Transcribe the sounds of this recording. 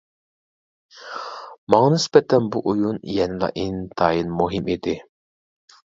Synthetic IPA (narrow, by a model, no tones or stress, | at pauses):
mɑŋɑnɪsbɛt̪ʰɛnbuʔujunjɛnɪlˠɑ̰ʔint̪ʰɑːjinmuɦɪmed̪ɪ